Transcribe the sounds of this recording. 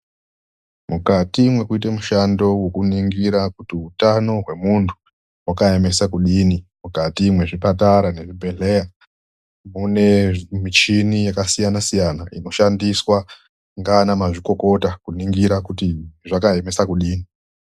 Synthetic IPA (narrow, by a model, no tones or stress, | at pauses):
mukatimwe̞kuit̬emuʃando̞wo̞kuniŋɡiɾakutiutano̞ɦwe̞muntʰu̥ | wakae̞me̞sakuɗiːnimukatimwe̞ʐipataɾane̞ʐibʱe̞ɮeja | mune̞mit͡ʃinijakasijanasijanaino̞ʃandiswa | ŋɡaːnamaʐiko̞ko̞takuniŋɡiɾakutiʐakae̞me̞sakuɗiːni